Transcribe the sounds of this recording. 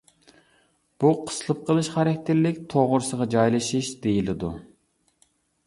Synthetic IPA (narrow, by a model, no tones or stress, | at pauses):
b̥uqʰə̥slˠɨp̚qʰəlˠɨʃχɑɾɛkʲt̪ʰɪɾlɪkʲt̪ʰoʁʊɾsəʁɑd͡ʒɑjlˠɨʃiʃd̪̥ejilɪd̪u